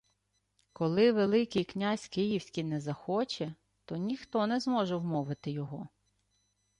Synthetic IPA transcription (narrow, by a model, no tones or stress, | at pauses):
kɔlˠɪʋelˠɪkijknʲasʲkɪjiwsʲkʲinɛzɐxɔt͡ʃɛ | t̪ɔnʲixt̪ɔnɛzmɔʒɛwmɔʋɪt̪ɪjɔɦɔ